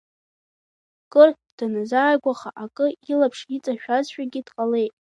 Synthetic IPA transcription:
kʼɨrtʰd̥anazaːɡʷaχaʔakʼɨilapʰʂit͡sʼaʃᶣazʃᶣaɡʲɪd̥qʼale̞jtʼ

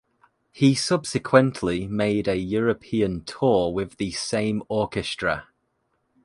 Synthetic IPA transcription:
hisʌb̥sɪkʰw̥ə̃nʔlɪmeɪdəjɔːɹəpʰiːə̃ntʰɔːwɪðəsẽɪ̃mɔˑkɪstɹ̥ə

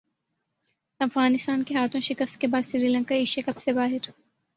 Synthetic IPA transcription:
ɐfɣaːnɪst̪aːnkeɦaːt̪ʰõʃɪkəst̪̚kebaːd̪sɾiɾiːlə̃ŋkaiʃekɐpsebaːɦɪɾ

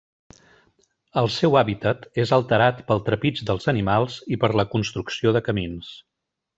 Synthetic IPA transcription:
əlˠsɛwaβit̪ət̪ezəlˠt̪əɾat̪pəlˠt̪ɾəpid͡ʒd̪əlˠzənimalˠzipəɾləkunst̪ɾuksioðəkəmins

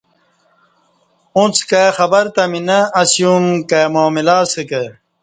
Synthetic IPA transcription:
ũt͡sʰkexɐbɐɾt̪ɐminɐːsjumkemoːmilaːsɨke

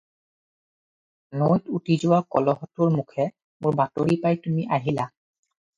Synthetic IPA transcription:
nojtutizʊwakɔ̰lɔɦɔtʊɹmukʰɛ | mʊɹbatoɹipajtumiʔaɦila

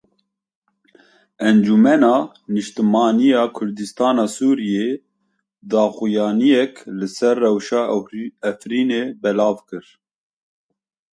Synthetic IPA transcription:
ɛnd͡ʒumɛnɑː | nɨʃt̪ɨmɑːnijɑːkʰʊɾd̪ɨst̪ɑːnɑːsuːɾije | d̪ɑːxujɑːnijɛklɨsɛrːɛwʃɑːɛfɾiːneːbɛlɑːvkɨɾ

